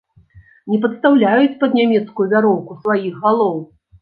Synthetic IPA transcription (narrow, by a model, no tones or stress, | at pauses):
nʲɛpɐt̪st̪awlʲajut͡sʲpɐd̪nʲamʲɛt̪skujuvʲaɾɔwkusvajixɣalˠɔw